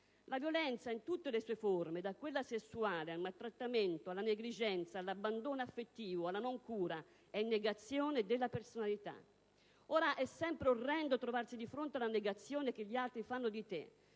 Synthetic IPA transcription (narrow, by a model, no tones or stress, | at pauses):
lavjolɛnt̪saint̪ut̪ːelesuːeformed̪akːwelːasesːuaːlealmalt̪ːɾat̪ːament̪oalːaneɡlid͡ʒɛnt̪salːabːand̪oːnafːet̪ːiːvoalːanɔŋkuːɾa | ɛinːeɡat̪sːjɔːned̪elːapersonalit̪a̰ | ɔːɾaʔɛsːɛmpɾeorːɛnd̪ot̪ɾovarsid̪ifɾont̪ealaneɡat̪sːjɔːnek̟ɪʎːialt̪ɾifanːʊd̪it̪ḛ